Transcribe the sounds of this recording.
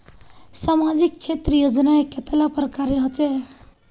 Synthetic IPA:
samad͡ʒik̚t͡ʃʰet̪ɾəjod͡ʒnaeket̪alapəɾkaɾeɾɦɔt͡ʃɛ

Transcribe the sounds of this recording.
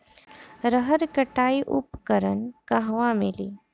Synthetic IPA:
ɾəɦəɾkəʈaiʔupkəɾənkaɦʋãmelḭː

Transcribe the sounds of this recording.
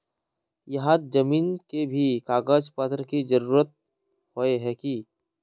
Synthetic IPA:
jɐɦãt̪d͡ʒɐmiːnkebʱikaːɡəd͡ʒpət̪ɾəkid͡ʒəɾuːɾət̪̚ | hoeɦɛki

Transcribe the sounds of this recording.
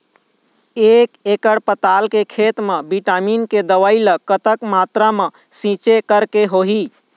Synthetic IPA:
ekekəɽpət̪alkekʰet̪mebiʈaminked̪əʋajləkːət̪əkmat̪ɾame | sĩt͡ʃekəɾkeɦoɦi

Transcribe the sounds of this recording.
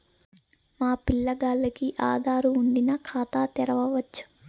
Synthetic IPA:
maːpilːɐɡaːlːɐkiʔa̰ːd̪ʱaːɾuːɳɖinɐkʰaːt̪aːt̪ɛɾɐʋɐʋɐt͡ʃːu̥

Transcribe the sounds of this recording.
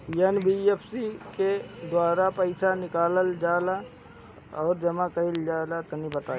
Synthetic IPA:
jənbiepʰsiked̪waːɾapəɪsʰanɪkaːləld͡ʒaːla | ɔːɾd͡ʒɐmãkɐɪld͡ʒaːlat̪ɐnibət̪aː

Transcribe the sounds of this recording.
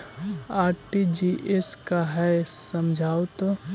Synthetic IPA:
aːɾʈid͡ʒiʔeskaɦɛsəmd͡ʒʱaːot̪o

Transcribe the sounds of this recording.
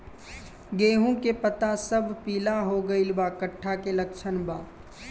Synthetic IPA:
ɡeːɦũkepət̪asəbpiːlaɦoɡəilbaːkəʈʰːakelɐkʃʰənbaː

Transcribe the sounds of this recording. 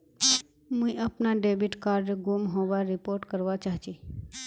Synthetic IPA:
mũiəpnaɖebiʈkaːɾɖeɡumɦoʋaɾɪpoɾʈkəɾʋat͡ʃaɦt͡ʃi

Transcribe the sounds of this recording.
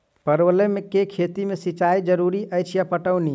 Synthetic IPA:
pəɾwəlemekekʰet̪imesit͡ʃajd͡ʒəɾuɾiʔəjt͡ʃʰjapəʈəwni

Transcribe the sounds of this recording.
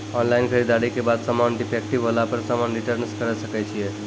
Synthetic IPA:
ɔnlainkʰəɾid̪aɾikebad̪samanɖipʰek̚ʈibɦolapəɾsamanɾiʈəɾnskəɾəsəkɛt͡ʃʰije

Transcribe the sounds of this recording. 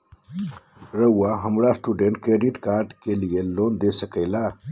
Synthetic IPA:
ɾəuwaɦəmɾasʈuɖeɳʈ̚kɾeɖiʈkaːɾɖkelijelond̪esəkəjla

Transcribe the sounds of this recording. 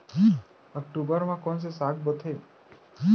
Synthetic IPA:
ki | ək̚ʈubəɾmãkɔns̬esaɡbət̪ʰel | ki

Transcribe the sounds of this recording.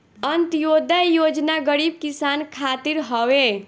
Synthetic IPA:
ənt̪jod̪ajod͡ʒnaɡəɽib̚kisankʰat̪iɾɦəʋe

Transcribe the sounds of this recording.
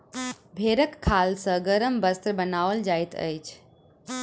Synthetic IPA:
bʱeɾəkʰːalsə̃ɡəɾəmbəst̪ɾəbənaʋəld͡ʒajt̪ə̰jt͡ʃʰ

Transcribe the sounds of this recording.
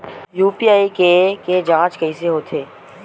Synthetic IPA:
juːpiːaːikeked͡ʒãːt͡ʃkɐiseɦoːt̪ʰeː

